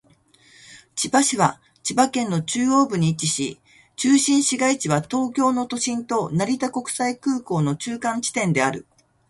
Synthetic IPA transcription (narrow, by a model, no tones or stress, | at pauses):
t͡ɕibaɕiβa | t͡ɕibakẽ̞nːo̞t͡ɕɨːo̞ːbɯ̟ɲ̟it͡ɕiɕi | t͡ɕɨːɕĩɰ̃ɕiɡait͡ɕiβat̪o̞ːkʲo̞ːno̞t̪o̞ɕĩnt̪o̞naɾʲit̪ako̞kɯ̟̥saikɯːko̞ːno̞t͡ɕɨːkãɲ̟t͡ɕi̥t̪ẽ̞nd̪e̞aɾɯ̟̰